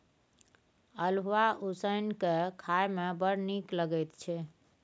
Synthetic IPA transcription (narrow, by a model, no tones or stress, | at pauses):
əlʋaʔusəjnkekʰajmebəɽnikləɡɛjt̪t͡ʃʰɛ